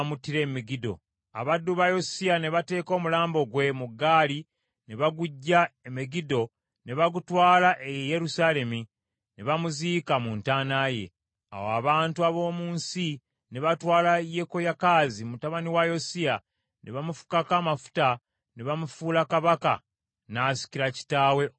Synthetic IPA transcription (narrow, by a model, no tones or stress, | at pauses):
mutːiɾe̞ːmiɡido̞̰ | a̰βadːuβajosiane̞βate̞ːko̞ːmulaːmbo̞ɡwe̞muɡːaːli | ne̞βaɡuɟːaemiɡido̞ | ne̞βaɡutwaːlaʔejeje̞ɾusaːle̞mi | ne̞βamuziːkamuntaːnaːje̞̰ | a̰woa̰βaːntuaβo̞ːmuːnsi | ne̞βatwaːlaje̞ko̞jakaːzimutaβaniwajosia | nʔe̞βamufu̥kakaːmafu̥ta | ne̞βamufuːlakaβaka̰ | naːsi̥ciɾaci̥taːwe̞